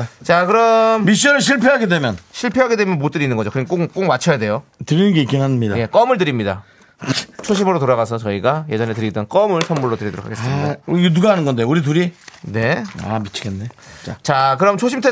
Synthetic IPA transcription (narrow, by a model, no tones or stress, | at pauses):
t͡ɕakɯɾʌmmiɕ̬͈uʌɾɯɭɕ̬ʰiɭpʰeɦaɡedwe̞mjʌnɕʰiɭpʰeɦaɡedwe̞mjʌnmot͈ɯɾinːɯnŋɡʌd͡ʑokɯnik͈okk͈oŋ̚mat͡ɕʰʌjade̞jotɯɾinɯnɡe̞ik͈inɦanmɲidaje̞k͈ʌmɯɭt̬ɯɾimɲida | t͡ɕʰoɕʰimɯɾotoɾaɣasʰʌt͡ɕʌiɡaje̞d͡ʑʌne̞tɯɾidʌnk͈ʌmɯɭsʰʌmːuɭːotɯɾidoɾokʰaɡe̞s͈ɯmidauɾiɡtuɡaɦanɯnɡʌndeouɾit̬uɾine̞a̰mit͡ɕʰiɡenːe̞t͡ɕ͈at͡ɕak̬ɯɾʌmt͡ɕʰoɕʰimtʰe